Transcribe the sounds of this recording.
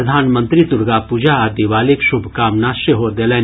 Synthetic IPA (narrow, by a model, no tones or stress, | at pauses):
əd̪ʱaːnmə̃nt̪ɾit̪ʊɾɡapuːd͡ʒaːd̪iʋaːlekʃʊbʱkaːmnaʃəɦod̪eleː